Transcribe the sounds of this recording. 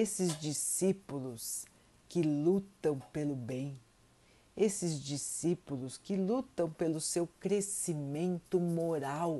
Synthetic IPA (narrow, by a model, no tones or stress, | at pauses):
esɪzd͡ʒisipulʊs | kɪlut̪ɐ̃w̃pelʊbẽj̃ | esɪzd͡ʒisipulʊskɪlut̪ɐ̃w̃pelʊsewkɾesimẽnt̪ʊmoɾaw